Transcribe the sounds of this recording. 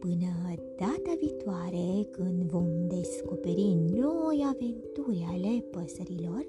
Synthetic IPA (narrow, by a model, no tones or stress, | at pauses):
pɨnəd̪̥at̪əʋit̪ʋaɾekɨnʋoŋd̪eskopeɾinɔjaʋent̪uɾjalepəsəɾilɔɾ